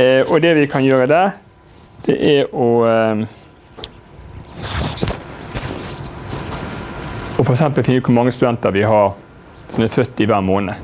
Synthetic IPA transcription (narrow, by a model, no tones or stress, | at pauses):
ʔɔd̪ɛʋɪkʰɑnjøːɾəd̪æ | d̪̥ɛ̰ʔæɾɔ | ɔfɔɾɛksɛmpəlfɪnːʉːkʰʊɾmɑŋːəst̪ʉd̪ɛnt̪əɾʋɪɦɑɾ | sɔmæfœt̪ːɪʋæːʁmoːnə